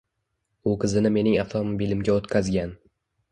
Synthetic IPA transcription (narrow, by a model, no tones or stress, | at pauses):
ʊqʰɨzɪnɪme̞nɪŋaft̪ʰomobilɪmɡʲaot̪kʲʰazɡʲan